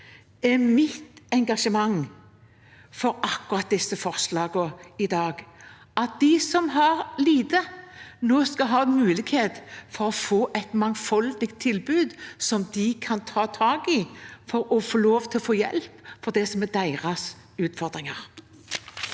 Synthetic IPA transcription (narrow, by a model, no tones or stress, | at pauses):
ɛmɪt̪ɛŋɡɑʂəmɑŋ | fɔɾɑkːʊʁɑt̪̚d̪ɛsːəfɔʁslɑːɡɔɪd̪ɑːɡ | ʔɑt̪̚d̪ɪsɔmɦɑʁliːd̪ənoːskɑɦɑːɛnmʉːlɪɡheːt̪fɔʁɔfoːʔɛɪt̪mɑŋfɔld̪ɪkt̪ʰːɪlbʉːd̪sɔmd̪ɪkʰɑnt̪ʰɑːt̪ʰɑːɡɪfɔɾɔfoːloːʋt̪ʰɪlɔfoːjɛ̰lpfɔʁd̪ɛsɔmɛd̪æɪʁɑs | ʉːt̪fɔʁd̪ʁɪŋɑʁ